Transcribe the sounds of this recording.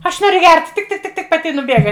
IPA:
ˈɐʃ ˈnoːrʲʊ ɡʲɛrt tʲɪk tʲɪk tʲɪk ˈtʲɪk pɐˈtʲɪ ɪ nʊˈbʲeːɡɐ

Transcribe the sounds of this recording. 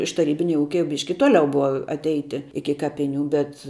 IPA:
ɪʃ tɐˈrʲiːbʲɪnʲɛ ˈuːkʲɛ jɛʊ ˈbʲɪʃʲkʲɪ ˈtoːlʲɛʊ ˈbʊʋɐ ɐtʲˈɛɪtʲɪ ˈɪkʲɪ ˈkɑːpʲɪˌnʲuː bʲɛt

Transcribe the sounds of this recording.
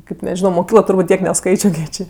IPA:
ˈkɐɪp nʲɛˈʒʲɪnoː moːˈkʲiːklˠoː tʊrˈbuːtʲ ˈtʲiɛk nʲɛˈskɐɪt͡ʃʲoː kʲiɛk ˈt͡ʃʲeː

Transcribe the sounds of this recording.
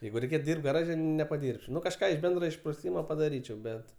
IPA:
ˈjɛɪɡʊ rʲɛɪˈkʲeːt ˈdʲiːrpt ɡɐˈrɑːʒʲɛ nʲɛpɐˈdʲiːrʲpʲt͡ʃʲɛʊ ˈnʊ kɐʃˈkɑː ɪʃ ˈbʲɛndroː ɪʃprʊˈsʲiːmoː pɐdɐˈrʲiːt͡ʃʲɛʊ ˈbʲɛt

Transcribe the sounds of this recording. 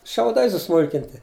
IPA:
ʃʲɛʊˈdɐɪ sʊˈsmʊlʲkʲɪnʲtʲɪ

